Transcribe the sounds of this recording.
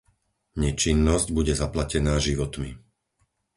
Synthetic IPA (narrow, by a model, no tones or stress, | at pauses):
ɲɛt͡ʃinːɔzɟbuɟɛzaplacɛnaːʒiʋɔt̪mḭ